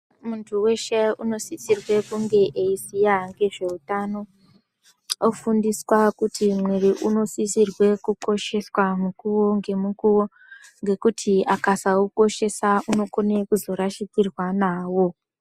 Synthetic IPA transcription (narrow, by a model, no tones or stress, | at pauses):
muntʰuwe̞ʃeuno̞sisirwe̞kuŋɡe̞ʔeisijaŋɡe̞ʐe̞utano̞ | ofundiswakutʰimweɾiʔuno̞sisirwe̞kuko̞ʃe̞swamukuwo̞ŋɡe̞mukuwo̞ | ŋɡe̞kutʰiakasauko̞ʃe̞sauno̞ko̞ne̞kuzo̞ɾaʃikirwanaːwo̞